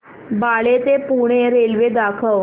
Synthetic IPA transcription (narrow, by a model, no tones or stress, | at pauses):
baɭet̪epuɽ̃eɾelʋed̪akʰəʋ